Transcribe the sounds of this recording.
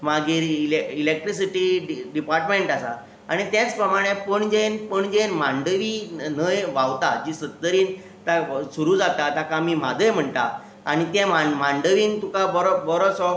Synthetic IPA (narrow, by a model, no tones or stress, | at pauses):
maɡiːɾileilek̚ʈɾis̬iʈiɖiɖipaɾʈmeɳʈasa̰ | aɽ̃it̪jɛ̃t͡spɾəmaɽ̃epəɳd͡ʑenpəɳd͡ʑẽnmaɳɖəʋinəjʋawt̪ad͡ʑisət̪ːəɾiːn | t̪asuɾuːd͡zat̪at̪akamiːm̤ad̪əjm̤əɳt̪a̰ | aɽ̃it̪ɛ̃mamaɳɖəʋiːnt̪ũkabɔɾɔbɔɾɔsɔ